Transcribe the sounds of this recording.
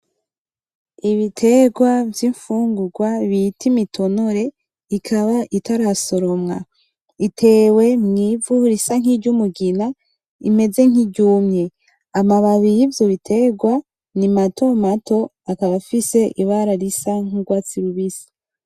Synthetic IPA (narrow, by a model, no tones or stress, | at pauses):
iβitʰe̞ɡwavjiɱfuːŋɡuɡwaβitʰimitʰo̞no̞ɾe̞ | ikʰaβaʔitaɾaso̞ɾo̞mŋa | itʰe̞ːwe̞mŋiːvuɾisaŋ̥iɾɟumuɡina | ime̞ze̞ŋ̥iɟuːmɲe̞ | amaβaβijivjoβitʰe̞ɡwa | nimatʰo̞mato̞ | akaβafise̞ʔiβaɾaɾisaŋ̥uɡwaːt͡siɾuβisḁ